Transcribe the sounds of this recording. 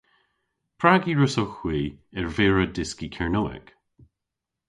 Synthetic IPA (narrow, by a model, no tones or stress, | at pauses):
pʰɹaɡiɹʊsoxwiːɪɹveɹədɪskikʰɛɹnoɪ̰k